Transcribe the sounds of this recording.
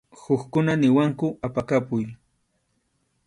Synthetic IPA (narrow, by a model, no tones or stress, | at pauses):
xʊxkʊnanɪwaŋkʊapakapʊj